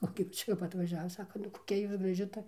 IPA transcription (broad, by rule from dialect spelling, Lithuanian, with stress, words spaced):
oː kɐp ˈt͡ʃʲɛ jɛʊ ʋɐ ɐtʋɐˈʒʲæːʋɐ ˈsɑːkɐ nʊ koːˈkʲɛ ˈjuːs ɡrɐˈʒʲɪ ˈtɐ